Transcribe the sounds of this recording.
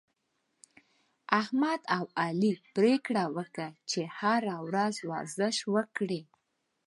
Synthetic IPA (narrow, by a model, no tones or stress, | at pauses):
ahmad̪awɑlipɾekɽawəkət͡ʃehaɾawɾazwɑ̰ɾzəʃwəkɽi